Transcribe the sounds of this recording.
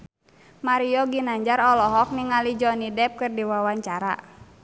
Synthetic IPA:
maɾiɔɡinaɲd͡ʒaɾɔlɔɦɔk̚niŋalid͡ʒɔnidɛp̚kɨrdiwawaɲt͡ʃaɾa̰

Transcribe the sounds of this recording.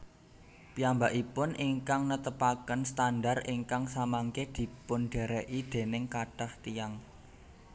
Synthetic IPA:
pijambaʔipʊnʔiŋkaŋnət̪əpakənst̪anɖariŋkaŋsamaŋked̪̥i̤pʊnɖ̥e̤ɾeʔid̪̥e̤nɪŋkaɖ̥aht̪ijaŋ

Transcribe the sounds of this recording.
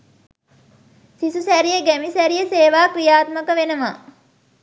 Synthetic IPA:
sisusæɾijəɡæmisæɾijəseːʋaːkrijaːt̪məkəʋenəma̰ː

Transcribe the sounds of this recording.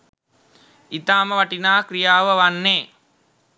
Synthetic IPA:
it̪aːməʋaʈinaːkɾijaːʋəʋanːeː

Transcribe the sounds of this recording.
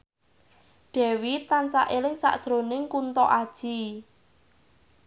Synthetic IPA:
ɖ̥ɛ̤wit̪ːansa̰ʔelɪŋsa̰ʔd̥ʒ̥ɾonɪŋkunt̪ɔʔad̥ʒ̥i

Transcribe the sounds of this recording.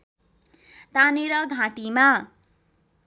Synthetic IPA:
t̪aneɾʌɡʱãʈima

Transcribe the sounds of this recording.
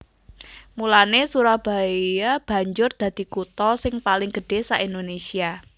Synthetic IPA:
mulanesuɾahb̥a̤ijab̥a̤ɲd͡ʒʊrd̪̥ä̤d̪̥i̤kut̪ɔsɪŋpalɪŋɡ̥ə̤ɖ̥e̤saʔind̪onesia

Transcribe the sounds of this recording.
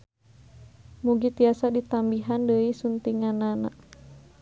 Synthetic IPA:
muɡit̪iasadit̪ambiɦandəisunt̪iŋanana̰

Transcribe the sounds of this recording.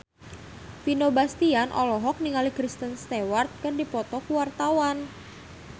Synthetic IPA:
finobast̪ianʔɔlɔɦɔk̚niŋalikɾist̪ənst̪ewart̪̚kərdipɔt̪ɔkuwart̪awan

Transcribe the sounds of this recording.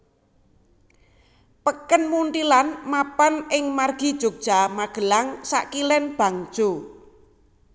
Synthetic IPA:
pəkənmunt̪ilanmapanɪŋmarɡ̥i̤d̥ʒ̥o̤ɡ̚d̥ʒ̥a̤maɡ̥ə̤laŋsa̰ʔkilɛnb̥a̤ŋ̥ʒ̥o

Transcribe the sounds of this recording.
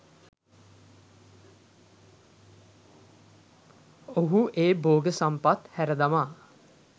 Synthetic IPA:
oɦuʔeːboːɡəsampat̪hæɾəd̪amaː

